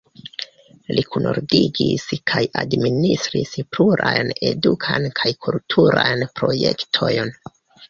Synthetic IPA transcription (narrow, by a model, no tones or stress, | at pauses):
likʰunʔoɾdiɡiskʰajadministɾispluɾajne̞dukʰankʰajkʰultʰuɾajnpɾoje̞ktʰo̞jn